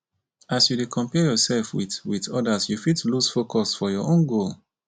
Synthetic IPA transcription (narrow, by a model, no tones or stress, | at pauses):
asjudekʰɔ̃mpɛjɔsɛlfwḭðwiðɔdasjufitlusfokʰɔsfɔjɔʔõnɡol